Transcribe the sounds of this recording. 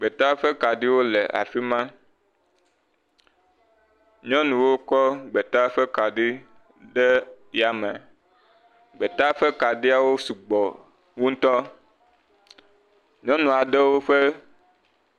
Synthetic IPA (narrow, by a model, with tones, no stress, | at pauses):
ɡ͡be˨t̪a˦ɸɛ˦ka˨ɖi˦wo˦lɛ˨a̰˨fi˦mã˦ | ɲɔ̃˦nũ˨wo˦kɔ˦ɡ͡be˨t̪a˦ɸɛ˦ka˨ɖi˦ | ɖɛ˦ | ja˨mɛ̰̃˨ | ɡ͡bɛ˨t̪a˦ɸɛ˦ka˨ɖi˦a˨wo˦su˨ɡ͡bɔ˨ | ŋũ˦n̩˦t̪ɔ˦ | ɲɔ̃˦nũ˨a˨ɖɛ˦wo˦ɸɛ˦